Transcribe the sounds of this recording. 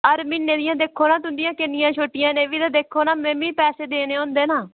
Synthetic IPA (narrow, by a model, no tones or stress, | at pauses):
əɾmɪnːeːd̪ɪjãːd̪eːkʰːoːnãːt̪ʊnd̪ɪjãːkɪnːɪjãːt͡ʃʰoːʈːɪjãːneːʋiːd̪ãːd̪eːkʰːoːnaːmɛ̃ːmĩːpɛːseːd̪eːneːõːnd̪eːnaː